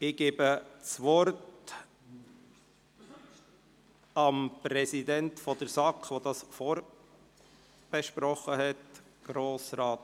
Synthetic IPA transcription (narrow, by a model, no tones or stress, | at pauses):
ɪɡ̥eːbət͡sʋɔɾt | ɑmpɾɛsidɛntfɔd̪əɾsɑkχʋodɑsfɔːɾ | b̥ɛʃpɾɔχːəɦɛt | ɡ̥ɾoːsɾɑːt